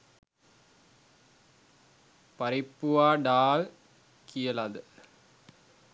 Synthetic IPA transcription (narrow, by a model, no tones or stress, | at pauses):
pɐɾɪpːɯʋaːɖaːl | kʰijɐlaðɯ